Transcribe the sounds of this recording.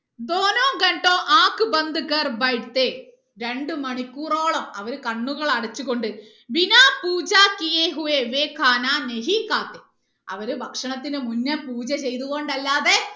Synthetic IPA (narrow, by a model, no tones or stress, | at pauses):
d̪oːnoːɡɐɳʈoːʔaːkːɨbɐnd̪ɨkɐrbɐjʈt̪e | ɾe̞ɳɖɨmɐɳikʲːuːro̞ːɭɐmɐʋɐɾukɐɳːuɣɐɭɐɽɐt͡ɕːuɣo̞ɳɖɨ | binaːpuːd͡ʑaːkijeːɦuʋeʋeːkʰːaːnaːne̞ɦikːaːt̪ːe | ɐ̰ʋɐɾubʱɐkʂɐɳɐt̪ːinɨmunːɐpuːt͡ɕɐt͡ɕe̞jt̪̬uɣo̞ɳɖɐlːaːðe̞